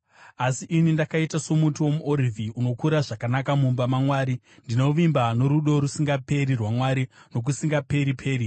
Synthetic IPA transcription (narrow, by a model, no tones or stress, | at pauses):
asiʔinindakaitaso̞mutiwo̞muʔoɾivʱiuno̞kuɾaʐakanakamumbamamwaːɾi | ndino̞ʋimbano̞ɾuɗo̞ɾusiŋɡape̞ɾirwamwaɾino̞k̬usiŋɡape̞ɾipʰe̞ːɾi